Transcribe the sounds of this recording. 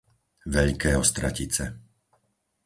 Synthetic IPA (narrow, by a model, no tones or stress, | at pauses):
ʋɛʎkɛːɔst̪ɾa̰cit͡sɛ